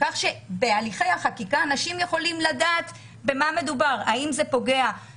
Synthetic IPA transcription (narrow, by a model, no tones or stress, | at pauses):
kaχʃe̞be̞aliχe̞jhaχakikaːnaʃimje̞χo̞limladaːt̪ | be̞mame̞d̪ubaʁaimze̞po̞ɡe̞a